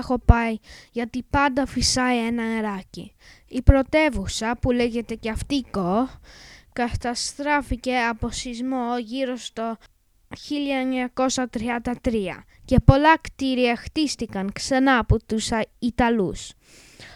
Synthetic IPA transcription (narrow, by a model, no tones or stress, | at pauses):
xo̞pɐjʝɐt̪ipɐnd̪ɐfisɐie̞nɐeɾɐcḭipɾo̞t̪e̞vusɐpuleʝe̞t̪e̞ceɐft̪iko | kɐt̪ɐst̪ɾɐfice̞ɐpo̞sizmoʝiɾo̞st̪o̞ | çiʎɐeɲɐko̞sɐt̪ɾiɐnd̪ɐt̪ɾiɐ̰ | ce̞po̞lɐkt̪iɾiɐxt̪ist̪ikɐŋksɐnɐːpot̪usit̪ɐlus